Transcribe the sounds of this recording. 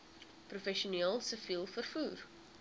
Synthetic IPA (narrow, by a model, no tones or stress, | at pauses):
prufɛʃiunieːlˠsəfiːlˠfərfuːr